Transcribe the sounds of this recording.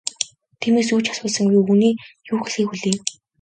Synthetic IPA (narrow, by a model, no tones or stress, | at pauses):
t̪ʰiːmeːs̬uːt͡ɕḁsʊːɮsə̆ŋɡuːuniːjuːxeɮxiːkuɮiː